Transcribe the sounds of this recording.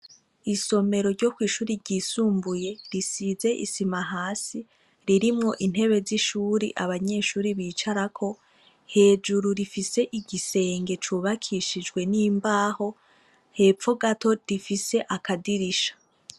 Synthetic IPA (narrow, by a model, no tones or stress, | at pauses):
iso̞me̞ɾo̞ɾɟo̞kwiːʃuːɾiɾɟiːsuːmbuje̞ɾisize̞ʔḭsimaɦaːsi | ɾiɾimŋo̞ʔin̥he̞βe̞ziʃuːɾḭʔaβaɲe̞ːʃuːɾiβiːt͡ʃaɾakʰo̞ | he̞ːd͡ʒuɾuɾifiseʔiɡise̞ːŋɡe̞t͡ʃuβakʰiʃid͡ʒɡwe̞niːmbaːho̞ | he̞p͡fo̞ɡato̞difise̞ʔakadiɾiʃḁ